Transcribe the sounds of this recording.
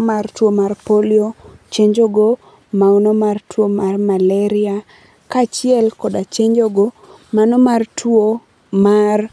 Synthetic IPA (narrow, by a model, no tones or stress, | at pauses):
martwomarpoliot͡ʃeɲd͡ʒoɡo | maonomartʰwomarmalɛɾɪa | kat͡ʃɪɛlkɔdat͡ʃeɲd͡ʒoɡo | manomartʰwo | mar